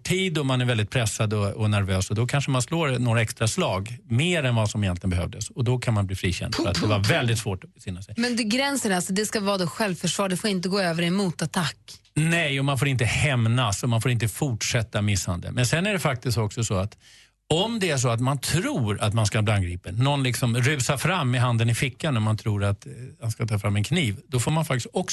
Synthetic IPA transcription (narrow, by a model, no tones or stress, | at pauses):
ʈʰiːd̪ɔmanæɾvɛld̪ɪt̪pʰɾɛsːad̪ɔɔnæɾvøːsɔd̪ɔkʰanʂəmansloːɾnoːɾaɛkst̪ɾaslɑːɡmeːɾɛnvasɔmɪjɛnt̪lɪɡənbɛɦœ̰vd̪əsɔd̪ɔkʰanmanbliːfɾiːɕɛ̰nd̪fœɾat̪d̪ɛvaɾvɛld̪ɪt̪svoːʈɔbɛfɪnːasɛjmɛnd̪ɵɡɾɛnsəɾalsɔd̪ɛskavɑːd̪oːɧɛlvfœʂvɑːɖɛfoːɾɪnt̪əɡoːøːvəɾɛmuːt̪at̪ʰakː | nɛjɔmanfoːɾɪnt̪əhɛmnasɔmanfoːɾɪnt̪əfʊʈʂɛt̪ːamɪsːha̰nd̪ə̰mɛnsɛnːæɖɛfak̚t̪ɪst̪ɔksɔsɔat̪ | ɔmd̪ɛæʂ̬ɔat̪mant̪ʰɾuːɾat̪manskabliːanɡɾiːpənːɔnlɪksɔmɾʉːsaɾfɾamːɪɦand̪ənɪfɪkːanɔmant̪ʰɾuːɾat̪hanskat̪ʰɑːfɾamːɛnkʰniːvd̪ɔfoːɾmanfak̚t̪ɪst̪ɔk